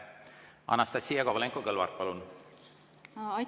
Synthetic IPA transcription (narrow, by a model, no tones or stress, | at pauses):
ɑ̰nːɑst̪ɑsʲːijɑkɑvɑleŋkokɤlvɑ̰ɾ̚pɑlun | ɑ